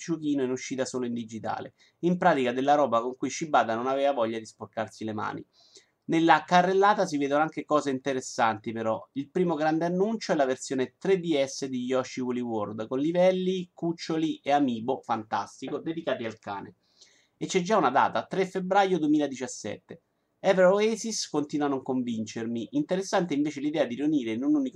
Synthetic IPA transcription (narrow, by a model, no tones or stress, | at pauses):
t͡ʃukiːnoɛnuʃːiːt̪asoːloind̪id͡ʒit̪a̰ːlḛ | impɾaːt̪ikad̪elːaɾɔːbakoŋkujʃibaːd̪anonaveːvavɔʎːad̪isporkarsilema̰ːnḭ | nelːakarːelːaːt̪as̬iveːd̪onoaŋkekɔːzeint̪eɾesːant̪ipeɾɔilpɾiːmoɡɾand̪eanːunt͡ʃoɛlavert̪sjoːnet̪ɾed̪ːiɛsːed̪ijɔʃːiwuliword̪konlivɛlːikut͡ʃːoliʔeamiːbofant̪a̰st̪ikod̪ed̪ikaːt̪ialka̰ːnḛ | et͡ʃːɛd͡ʒːaunad̪a̰ːt̪at̪ɾefebɾajod̪uemiːlad̪it͡ʃasːɛ̰t̪ːe | ɛveɾoesiskont̪iːnwanoakːoɱvint͡ʃermiʔint̪eɾesːant̪eiɱveːt͡ʃelid̪ɛːad̪iɾiuniːɾenunuːnik